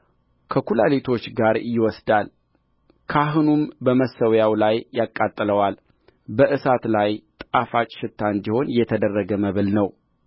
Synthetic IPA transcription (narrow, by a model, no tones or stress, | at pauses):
kʰəkulalet̪ʰo̞t͡ʃːɡaɾjɪwɔsd̪al | kʰaɦɨnumbəməsːəwjawlajːakʼːat̪ʼːləwal | bəʔɨsat̪lajt̪ʼafat͡ʃʼʃɪt̪ʰːand̪iho̞njɛt̪ʰəd̪ərːəɡəməβɨlnəw